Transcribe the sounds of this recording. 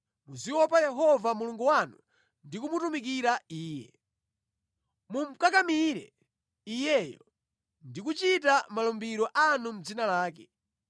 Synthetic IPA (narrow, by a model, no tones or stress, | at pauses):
muziwɔpajɛɦɔvamuluŋɡuwanu | ndikumutumik̬iɾaiːjɛ̰ | mum̩kakamiɾɛ̰ | ijɛjɔ̰ | ndikut͡ʃitamalɔmbiɾɔʔanum̩d͡zinalaːkɛ